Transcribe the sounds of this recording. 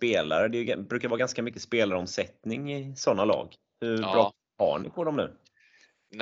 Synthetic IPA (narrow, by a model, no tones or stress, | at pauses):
speːla̰ɾəd̪ɛjɡbɾʉ̟ːkaɾvɑːɡanskamʏkːəspeːlaɾɔmsɛt̪nɪŋɪsɔnːalɑ̰ːɡ | hɵbɾɑː | ha̰ɳɪ̰pʰɔd̪ɔmnʉ̟ː